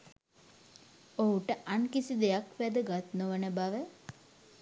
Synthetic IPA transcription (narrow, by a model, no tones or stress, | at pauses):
oɦuʈəʔankisid̪ejakʋæd̪əɡat̪noʋənəbaʋə